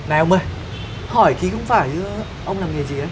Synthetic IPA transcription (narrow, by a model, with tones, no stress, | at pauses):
na˨˩ə˧wmə˧˩j | hɔ˧˩jki˨˦xə˧wŋ͡mfaː˧˩j | ʔə˧wŋ͡mlaː˨˩mŋɨ˨˩əzi˨ʔə˨˦j